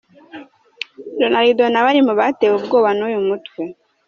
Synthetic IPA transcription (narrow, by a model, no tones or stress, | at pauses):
donaɾidonaβaɾimuβateweub̚ɡoːβanujumutwe